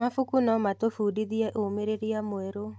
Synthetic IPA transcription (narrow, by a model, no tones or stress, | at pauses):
afukunɔmatofudiðiɛʔomeɾeɾiamoeɾo